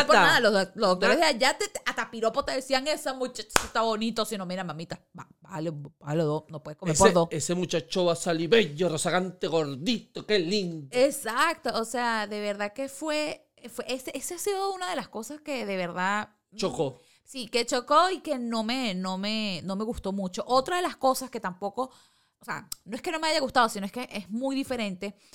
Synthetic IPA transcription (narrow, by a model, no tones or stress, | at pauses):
ponaðalolozðok̚t̪oɾe̞ðeaʝat̪eat̪apiɾo̞pot̪eðesiaŋesamut͡ʃat͡ʃḁit̪aβo̞nit̪osinomeɾamamit̪ababalebaloðosnopweekomespoɾðoesemut͡ʃat͡ʃoβasaliβeʝorosaɣant̪eɣo̞ɾðit̪okeliŋd̪esakt̪oːseaðe̞β̞e̞ɾðake̞fwe̞ | fweʔeseʔeseasiðo̞unað̞e̞lasko̞saske̞ðe̞βe̞ɾða | t͡ʃoko | sike̞t͡ʃo̞ko̞ike̞no̞me̞no̞me̞no̞me̞ɣust̪o̞mut͡ʃo̞ʔo̞t̪ɾaðe̞lasko̞saske̞t̪ampo̞ko̞ | osea̰noeske̞no̞me̞aʝaɣust̪að̞osinoe̞skeʔezmujðife̞ɾẽ̞nt̪e̞